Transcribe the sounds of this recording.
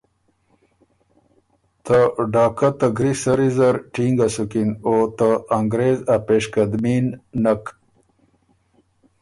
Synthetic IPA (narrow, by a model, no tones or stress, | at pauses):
t̪aɖaːkat̪ɐɡɾisɐɾizɐɾʈiŋɡasukinot̪aaŋɡɾezapeʂkɐd̪minːɐk